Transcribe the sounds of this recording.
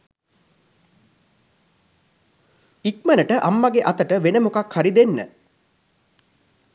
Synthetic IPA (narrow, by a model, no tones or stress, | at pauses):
ik̚mənəʈəʔamːaɡeʔat̪əʈəʋenəmukakhaɾid̪enːə̰